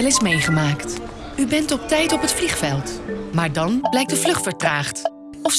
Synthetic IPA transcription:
ɛlɪsmejχəmaːkt | ybɛntɔp̚tɛjtɔpətfliχfɛlˠtmaːɹdɑnblɛjk̚dəvlɵχtfəɹtraːχt | ɔf

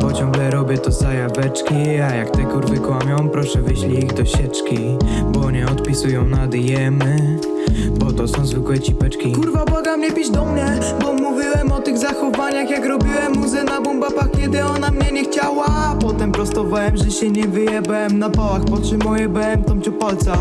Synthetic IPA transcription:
pɔt͡ɕɔ̃ŋɡlɛɾɔbʲjɛt̪ɔzajavɛt͡ʂkʲiajakt̪ɛjkuɾvɘkwamʲjɔ̃w̃pɾɔʂɛvɘɕlʲiːɣd̪ɔɕɛt͡ʂkʲibɔɲɛɔt̪̚pʲisujɔ̃w̃nad̪jɛm | bɔt̪ɔsɔ̃w̃zvɘkwɛt͡ɕipɛt͡ʂkʲikuɾvabɔɡamɲɛpʲid͡ʑd̪ɔmɲɛ | bɔmuvʲiwɛmɔt̪ɨɣzaxɔvaɲaxjakɾɔbʲiwɛmːuzɛnabɔmbapakʲɛd̪ɪɔnamɲɛɲɛxt͡ɕawa | pɔt̪ɛmpɾɔst̪ɔvawɛmʐɛɕɛɲɛvɘjɛbɛmnapawaxpɔtʂɨmɔjɛbɛɛmt̪ɔmt͡ɕɛpalt̪sa

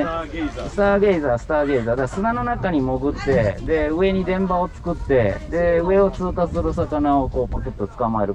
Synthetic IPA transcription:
sɨ̥t̪aːɡe̞zaːsɨ̥t̪aːɡe̞ːzaːd̪asɨnano̞nakaɲ̟imo̞ɡɯ̟t̪ːe̞d̪e̞ɯ̟e̞ɲ̟id̪ẽ̞mpao̞t͡sɨ̥kɯ̟t̪ːe̞̰d̪e̞ɯ̟e̞o̞t͡sɨːkasɨɾɯ̟s̬akanao̞ko̞ːpokɯt̪ːot͡sɨ̥kamae̞ɾɯ̟

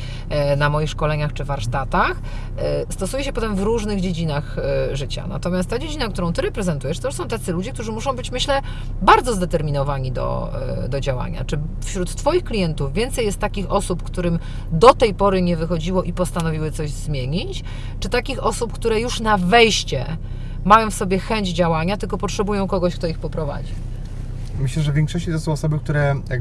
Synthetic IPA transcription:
namɔjixʂkɔlɛɲaxt͡ʂɘvaɾʂt̪at̪ax | st̪ɔsujɛɕɛpɔt̪ɛmvɾuʐnɘɣd͡ʑed͡ʑinaxʐɘt͡ɕa̰na̰t̪ɔmʲast̪ːad͡ʑed͡ʑinak̚t̪uɾɔ̃w̃t̪ɘɾɛpɾɛzɛnt̪ujɛʂt̪ɔuʂsɔ̃w̃t̪ɛt̪sɘlud͡ʑik̚t̪uʐɘmuʂɔ̃w̃bɘt͡ɕmɘɕlɛ | baɾd̪zɔzd̪ɛt̪ɛɾmʲinɔvaɲid̪ɔ̰d̪ɔd͡ʑawa̰ɲa̰t͡ʂɘ | fɕɾut̪ːfɔjixklʲijɛnt̪uvʲːjɛnt̪sɛjɛst̪ːakʲixɔsupkt̪uɾɘm | d̪ɔt̪ɛjpɔɾɘɲɛvɘxɔd͡ʑiwɔʔipɔst̪anɔvʲiwɘt̪sɔʑzmʲjeɲit͡ɕ | t͡ʂɘt̪akʲixɔsupkt̪uɾɛjuʂnavɛjɕt͡ɕɛ̰ | majɔ̃w̃fsɔbʲjɛxɛɲd͡ʑd͡ʑawaɲat̪ɘlkɔpɔtʂɛbujɔ̃w̃kɔɡɔɕk̚t̪ɔixpɔpɾɔva̰d͡ʑḭ | mɘɕlɛʐɛvʲjɛ̃ŋkʂɔɕt͡ɕit̪ɛsɔ̃w̃ɔsɔbɘk̚t̪uɾɛjaɡ

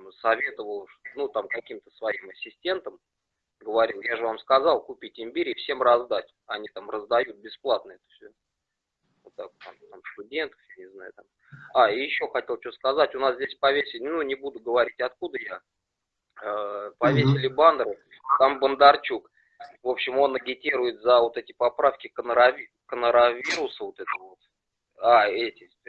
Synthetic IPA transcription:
sɐvʲe̞t̪əvəlˠʂt̪onut̪amkɐkʲimt̪ə̥svɐimɐsʲːɪsʲtʲe̞nt̪əm | ɡəvɐɾʲilˠjaʐɨvamskɐzɑlˠkʊpʲitʲɪmʲbʲiɾʲɪːfsʲe̞mrɐzd̪atʲ | ɐnʲit̪amrəzd̪ɐjut̪̚bʲɪsplˠat̪̚nəɛt̪ə̥fsʲo | vot̪ːak̚t̪a̰mt̪amst̪ʊdʲe̞nt̪ə̥fjanʲɪzna̰jʊt̪am | aijɪɕːo̞xɐtʲe̞lˠt͡ɕɵskɐzatʲʊnaszʲdʲesʲpɐvʲesʲɪlʲnunʲɪbud̪ʊɡəvɐɾʲitʲɐt̪kud̪əja | əpɐvʲesʲɪlʲɪband̪ɾɨ | t̪ːambənd̪ɐrt͡ɕuk | vo̞pɕːɪmo̞nɐɡʲɪtʲiɾʊjɪt̪zəvo̞t̪ɛtʲɪpɐpɾafkʲɪkənəɾɐ | kənəɾavʲiɾʊsəvo̞t̪ɛt̪əvəvo̞t̪ | aɛtʲɪ

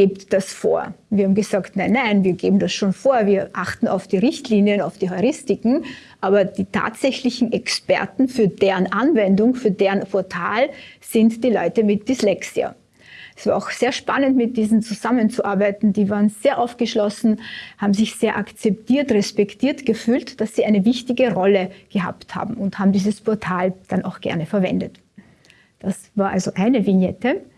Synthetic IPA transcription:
ɡ̥eːptd̥asfo̰ːɐviːɐhaːm̩ɡəzaːktnaɪnːaɪnviːɐɡeːbm̩dasʃoːnfoːɐviːɐʔaχtn̩a̰ʊfd̥iːʁɪçtliːnjənaʊfd̥iːhaʁɪstɪkŋ̩ʔaːbɐd̥iːtʰa̰ːtz̥ɛçlɪçn̩ɛkspɛ̰ɐtn̩fyːɐdeːʁənʔanvɛndʊŋfyːɐdeːənfɔɐtʰaːlz̥ɪntd̥iːlɔ̰ʏtəmɪt̚d̥islɛksiɐ̰ | ʔɛsv̥aːaʊxz̥eːɐʃpanəntmɪt̚d̥iːzn̩t͡suzamənt͡suʔaɐbaɪtn̩diːvaːʁənz̥eːɐʔaʊfɡ̥əʃlɔsn̩haːbm̩zɪçz̥eːɐʔakt͡sɛp̚tʰiːɐtʁɛspɛktʰiːɐtɡ̥əfyːltd̥asz̥iːʔaɪnəvɪçtɪɡəʁɔləɡ̥əha̰ːptha̰ːbm̩ʊnthaːbm̩diːzəspʰɔɐtʰaːld̥anaʊxɡ̥ɛ̰ɐnəfɛɐvɛ̰ndət | d̥asv̥aːɐʔa̰lzoʔaɪnəvinjɛtə

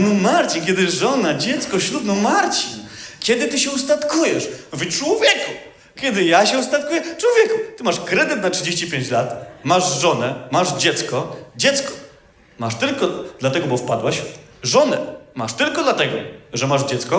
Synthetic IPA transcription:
nɔmaɾt͡ɕinkʲɛd̪ɘʐɔnad͡ʑɛt̪skɔɕɾud̪nɔmaɾt͡ɕinkʲɛd̪ɘt̪ɘɕɛust̪at̪kujɛʂvt͡ʂwɔvʲjɛku | kʲjɛd̪ɘjaɕɛust̪at̪̚kujɛt͡ʂwɔvʲjɛkut̪ɘmaʂkɾɛd̪ɘt̪natʂɘd͡ʑeɕt͡ɕipʲjẽɲt͡ɕlat̪maʐʐɔnɛmaʐd͡ʑɛt̪skɔd͡ʑɛt̪skɔ̥ | maʂt̪ɘlkɔd̪lat̪ɛɡɔbɔfpad̪waɕʐɔnɛmaʂt̪ɘlkɔd̪lat̪ɛɡɔʐɛmaʐd͡ʑɛt̪skɔ

